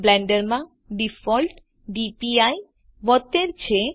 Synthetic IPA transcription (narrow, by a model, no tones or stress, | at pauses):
blɛɳɖeɾma | ɖifɔlʈ | ɖipiaj | bɔt̪ːeɾt͡ɕʰe